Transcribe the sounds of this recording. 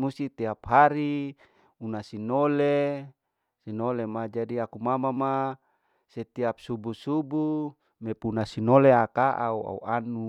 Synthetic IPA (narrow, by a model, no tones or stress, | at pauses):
must̪it̪iapɦaɾi | unasinole | sinolemad͡ʒadiakumamama | set̪iap̚subusubu | mepunasinoleakaʔaua̰ṵanu